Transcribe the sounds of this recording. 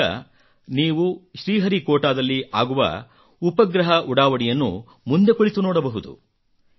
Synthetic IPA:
ɐ̰ | niːʋuʃɾiːɦɐɾikɔːʈaːd̪ɐlːiʔa̰ːɡuʋɐ̰ | upɐɡɾɐɦɐʔuɽaːʋɐɽijɐnːṵ | mund̪e̞koɭit̪unoːɽɐbɐɦud̪ṵ

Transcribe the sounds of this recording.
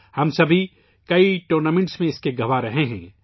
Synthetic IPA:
hɐmsɐbʱi | kɐiʈuːɾnaːmẽɳʈsmẽɪskeɡʱɐʋaɾɐɦeɦɛ̃ː

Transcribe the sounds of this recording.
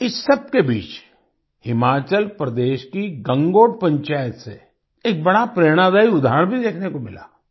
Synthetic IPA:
ɪsːɐb̚kebḭːt͡ʃ | hɪmaːt͡ʃəlpɾɐd̪eːʃkiɡɐ̃ŋɡoːɖ̚pɐ̃ɲt͡ʃaːjət̪sḛ | eːk̚bɐɽapɾeːɽ̃ad̪əiʊd̪ʱaːɾə̃bʱid̪eːkʰnekomɪla̰ː

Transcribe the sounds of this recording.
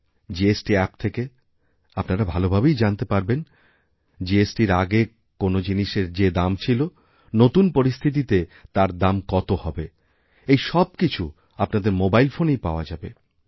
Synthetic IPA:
d͡ʑiesʈiɛp̚t̪ʰeke | apnaɾabʱalobʱabejd͡ʑant̪epaɾben | d͡ʑiesʈiɾaɡe | konod͡ʑiniʃeɾd͡ʑed̪amt͡ɕʰilo | not̪unpoɾist̪ʰit̪̬it̪et̪aɾd̪amkɔt̪ohɔbe | ejʃɔb̚kit͡ɕʰu | apnad̪eɾmobajlfonejpaoad͡ʑabe

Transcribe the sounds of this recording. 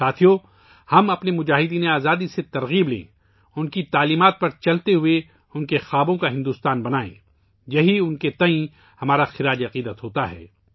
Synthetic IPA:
saːt̪ʰijo | hɐmɐpnemʊd͡ʒaːɦɪd̪iːneaːzaːd̪iset̪ɐɾɣiːblḛ̃ː | ʊnkit̪aːliːmaːt̪̚pɐɾt͡ʃɐlt̪eɦʊe | ʊnkexaːbõkaɦɪ̃nd̪uːst̪aːnbɐnaːḛ̃ | jɐɦiʊnket̪ɐ̃ĩ | hɐmaːɾaxɪɾaːd͡ʒɐqiːd̪ət̪ɦoːt̪aɦɛ̰ː

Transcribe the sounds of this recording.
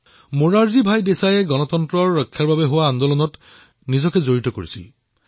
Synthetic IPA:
moɹaɹzibʱajdesajɛɡɔnɔt̪ɔntɹɔɹːɔkʰːjaɹbabɛɦʊwaːnd̪olɔnɔt | nizɔkɛzoɹitɔkoɹisḭl

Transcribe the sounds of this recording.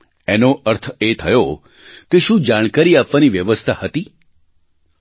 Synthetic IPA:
ɛnoəɾt̪ʰet̪ʰəjo | keʃũːd͡ʒaɽ̃kaɾiapʋaniʋjəʋəst̪ʰahət̪i

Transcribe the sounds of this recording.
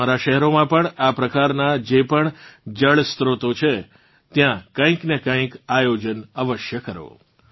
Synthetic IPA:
aɾaʃɛɦɛɾomãpəɳapɾəkaɾnad͡ʒepəɳd͡ʒəɭst̪ɾot̪ot͡ʃʰe | t̪jãkãĩknekãĩkajod͡ʒənaʋəʃjəkəɾo̰

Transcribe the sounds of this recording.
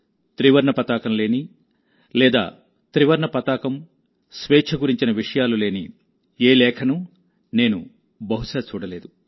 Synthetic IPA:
t̪ɾiʋɐɾɳɐpɐt̪aːkɐmle̞ːni | lɛːd̪a̰ː | t̪ɾiʋɐɾɳɐpɐt̪aːkɐm | sʋeːt͡ʃʰɐɡuɾiɲt͡ʃinɐʋiʂɐjaːlule̞ːni | eːlɛːkʰɐnu | ne̞ːnṵ | bɐɦuʃɐːt͡ʃuːɽɐle̞ːd̪u

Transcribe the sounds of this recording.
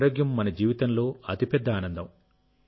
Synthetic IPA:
ɾoːɡjɐmːɐnɐd͡ʒiːʋit̪ɐnlo̞ːɐt̪ipɛd̪ːɐaːnɐnd̪ɐm

